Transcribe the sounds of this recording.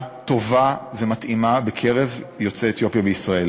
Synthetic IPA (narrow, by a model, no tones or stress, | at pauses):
t̪o̞vave̞mat̪imabekʰeʁevjo̞t͡seːt̪jo̞pjabeisʁae̞l